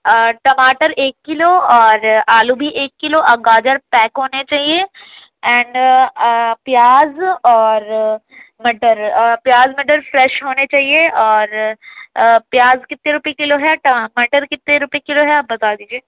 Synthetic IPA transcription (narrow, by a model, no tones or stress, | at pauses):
əʈɐmaːʈəɾeːkːɪloɔːɾaːlubʱiʔeːkːɪloʔɐɡaːd͡ʒəɾpɛːkɦoːnet͡ʃaːɦie | ɛ̃ːɳɖ | pjaːzɔːɾ | mɐʈəɾpjaːzməʈ̬əɾfɾɛːʃɦoːnet͡ʃaːɦieɔːɾ | pjaːzkɪt̪ːeɾʊpikɪloɦɛʈɐmɐʈəɾkɪt̪ːeɾʊpekɪloɦɛaːp̚bɐt̪aːd̪iːd͡ʒieː